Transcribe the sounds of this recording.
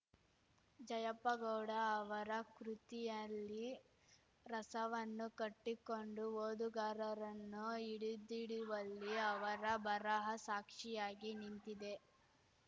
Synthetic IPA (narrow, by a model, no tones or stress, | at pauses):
d͡ʒɐjɐpːɐɡɐwɽɐːʋɐɾɐkɾut̪ijɐlːi | ɾɐsɐʋɐnːukɐʈːikoɳɖuoːd̪uɡaːɾɐɾɐnːuiɽid̪iɽiʋɐlːiɐʋɐɾɐbʱɐɾɐɦɐsaːkʂijaːɡinint̪id̪e̞